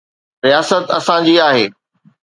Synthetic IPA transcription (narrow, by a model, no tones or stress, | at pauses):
ɾijaːsət̪ɐsãd͡ʑiːaːɦeː